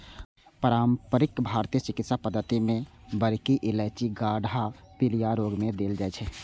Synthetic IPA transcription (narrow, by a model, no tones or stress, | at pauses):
pəɾaːmpəɾɪkbʱaːɾt̪ijət͡ʃɪkɪt̪sapəd̪ət̪imẽbəɾkiʔɪlɛt͡ʃiɡaːɽapɪlijaɾoːɡmẽd̪eːld͡ʒaːɛt͡ʃʰɛː